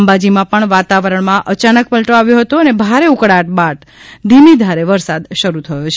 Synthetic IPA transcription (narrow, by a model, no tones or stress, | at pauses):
mbad͡ʒimãpəɳʋat̪aʋəɾəɳmãʔət͡ʃanək̚pəlʈoaʋjoɦət̪oənebʱaɾeukɽaʈ̚baʈ | d̪ʱimid̪ʱaɾeʋəɾsad̪ʃəɾut̪ʰəjot͡ʃʰ